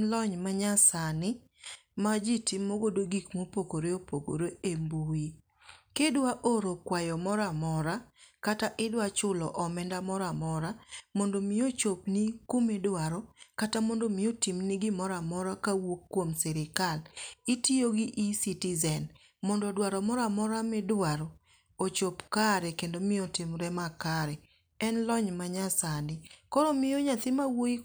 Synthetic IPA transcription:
lɔɲmaɲasanɪ | mad͡ʒitimːoɡodoɡikmopokoɾeopoko̰ɾeembui | kedwaʔoɾokwajɔmɔɾamɔɾakataʔɪdwat͡ʃʊlɔʔɔmɛndamɔɾamɔɾamondomiot͡ʃopnikomedwaɾɔkatamondomɪotimnɪɡɪmɔɾamɔɾakawokːwomsɛɾɪkalitioɡɪʔisitɪzɛn | mɔndɔdwaɾɔmɔɾamɔɾamɪdwaɾɔ | ot͡ʃopkaɾɛkendomɪɔtɪmɾɛmakaɾɛ | ɛnlɔɲmaɲasanɪkɔɾɔmɪjoɲat̪ɪmawoi

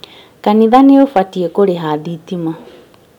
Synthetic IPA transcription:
kaniðaneofatiekoɾeɦaðit̪ima

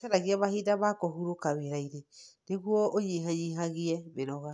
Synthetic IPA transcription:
kɛɾaɣiaβahidaβakɔhuɾokaweɾaiɾeneɣwɔʔoɲiːɦaɲiɦaɣiɛβeɾɔɣa

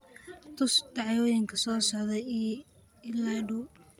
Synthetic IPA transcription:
t̪ʰʊsd̪ɑʕjɔːjɪŋkʰɐsɔːsɔʕðɛjɛj | ɪlaːɖu

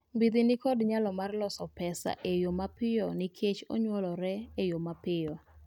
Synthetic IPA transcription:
mbid̪inikɔdɲalɔmarlɔsɔpɛsa̰ʔejomapɪjɔnɪkʰet͡ʃo̰ɲwɔlɔɾɛejomapɪjɔ

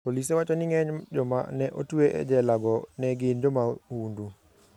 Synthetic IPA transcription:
polis̬ɛwat͡ʃɔniŋɛɲɟɔma̰nɛʔo̰tuwɛʔɛ̰d͡ʒɛlaɡɔnɛɡind͡ʒɔmahundu

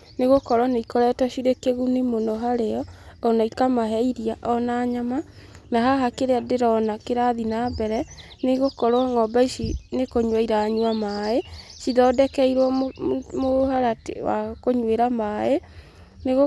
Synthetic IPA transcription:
neɣokɔɾwanaikɔɾɛtɔʃiɾekeɣunemonɔɦaɾeɔːnaikamaɦɛiɾiaʔɔnaːɲamanaɦaɦakeɾeadeɾɔnakeɾaðinabɛɾɛ | neɣokɔɾwɔŋɔbaiʃinekoɲwaiɾaɲuwamaeʃiðɔdɛkɛiɾwɔmohaɾatḛwa̰koɲweɾamae | neɣo

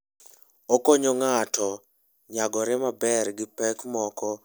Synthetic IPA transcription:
okoɲoŋatɔ | ɲaɡɔɾɛmabɛrɡɪpɛkmɔkɔ

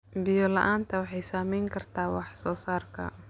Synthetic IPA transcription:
bɪjɔlɐ̰ʔaːnt̪ʰɐwɑħɑjsaːmɛjŋkʰɐrt̪ʰaːwɑħsɔːsaːrkʰɐ̰

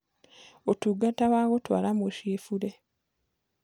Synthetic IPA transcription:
otuɡataβaɣotwa̰ːlameʃeːfuɾe

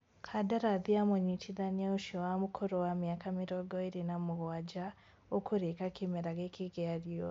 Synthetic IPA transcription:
kʰadaɾaðiamoɲitʰiðanauʃowamukʰoɾowamjaːkamiɾoɡoiɾinamuɣwad͡ʒa | okʰuɾekakimeɾaɣekʰiɣeaɾjo

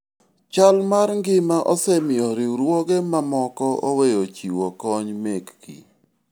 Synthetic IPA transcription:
t͡ʃalmaɾŋɡɪmaʔɔsɛmɪɔɾɪuɾwɔɡemamɔkɔowejot͡ʃiwokɔɲmekɡḭ

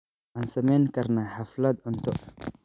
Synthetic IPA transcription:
ʔaːnsɐmɛjŋkɐrnaħaflɐd̪ʊnt̪ʰɔ

